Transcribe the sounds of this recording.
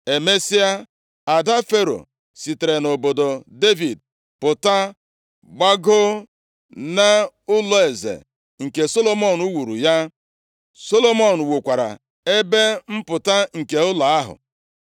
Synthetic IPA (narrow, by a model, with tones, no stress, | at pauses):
e˨me˦si˦a˦ | a˨da˦fe˦ɾo̰˨ | si˨te˨ɾe˨no˨bo˨do˨de˦vi˨d̚ | pʊ˨ta˦ | ɡ͡ba˦ɡo˦ | na˦ʊ˦lɔ˨e˨zḛ˨ | ŋ̩˨ke˨so˦lo˦mɔ˦˨nu˦wu˨ɾṵ˨ja˦ | so˦lo˦mɔ˦˨n̩˨wu˨kʷa˨ɾa̰˨ | e˦be˦m̩˦pʊ˨ta˦ŋ̩˨ke˨ʊ˦la˨a˦ɦʊ̰˨